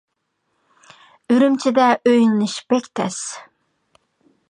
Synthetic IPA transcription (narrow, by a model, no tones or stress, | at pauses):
yɾymt͡ʃʰid̪ɛʔøjnːɨʃb̥ɛkʲt̪ʰɛs